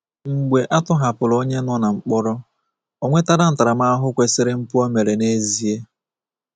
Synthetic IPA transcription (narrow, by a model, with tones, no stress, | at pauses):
ŋ̩˨ɡ͡be˨ʔa˦tʊ˦ɦa˨pʊ˨lo˦ɲe˦nɔ˦na˨ŋ͡m̩˨k͡pɔ˦ɾɔ˦ | o˦ŋʷe˦ta˦ɾa˨n̩˦ta˨ɾa˨ma˦a˦ɦʊ˦kʷe˨sɪ˦ɾɪ˦m̩˦pu˦o˦me˨ɾe˨ne˦zi˦e˦